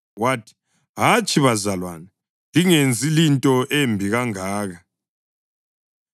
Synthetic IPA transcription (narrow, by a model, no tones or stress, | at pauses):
watʰi̥ | ɦat͡ʃʼiβazalwana | liŋend͡zʱilintʼɔʔembʱiɣaŋaːɣa